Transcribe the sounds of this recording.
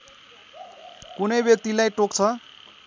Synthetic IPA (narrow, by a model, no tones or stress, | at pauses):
kunʌjbjʌk̚t̪ilajʈokt͡sʰʌ